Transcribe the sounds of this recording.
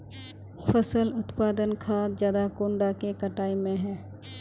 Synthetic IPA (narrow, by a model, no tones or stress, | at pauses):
fəsəlʊt̪paːd̪ənkʰaːt̪zjaːd̪akoːɳɖakekəʈaːimẽɦɛ̃ː